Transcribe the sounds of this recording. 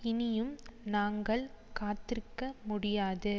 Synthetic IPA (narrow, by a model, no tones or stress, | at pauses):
ɪnɪjɯmnaːŋɡɐɭkaːt̪ɪɾkːɐmʊɽɪjaːðɯ